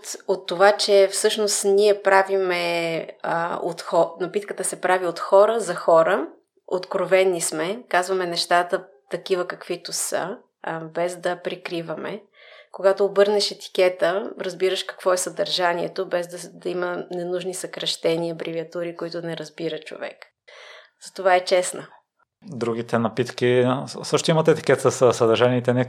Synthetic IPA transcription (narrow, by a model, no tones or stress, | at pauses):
t̪ot̪ːovat͡ʃɛfsɤʃnost̪niɛpɾavimɛ | o̰t̪xɔnɐpit̪kət̪əsɛpɾaviot̪xɔɾəzɐxɔɾə | ot̪kɾovɛnːismɛkazvɐmɛnɛʃt̪at̪ə | t̪ɐkivəkɐkvit̪ʊsə̰ | bɛzd̪ɐpɾikɾivəmɛ̰ | koɡat̪oːbɤɾnɛʃɛt̪i̥k̟ɛt̪əɾɐzbiɾəʃkɐ̥kvɔɛsɐd̪ɐɾʒaniɛ̰t̪obɛzd̪əd̪ɐimənɛnuʒnisɐkɾɐʃt̪ɛniəbɾiviɐt̪uɾikoit̪ʊnɛɾɐzbiɾət͡ʃo̰vɛ̰k | z̥ɐt̪ovaɛt͡ʃɛsnə | d̪ɾuɡit̪ɛnɐpit̪kisɤʃt̪ʊimɐt̪ɛt̪i̥kɛt̪əsəsɐd̪ɐɾʒaniːt̪ɛnɛ